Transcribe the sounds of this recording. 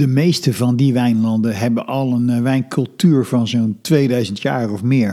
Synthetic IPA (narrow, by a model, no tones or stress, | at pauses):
d̥əmejstəvɑndiʋɛjnlɑndəɦɛbənʔɑlˠənʋɛjnkɵlˠtyːɹvɑnzontʋejdœɥzəntja̰ːrɔfmɪːɹ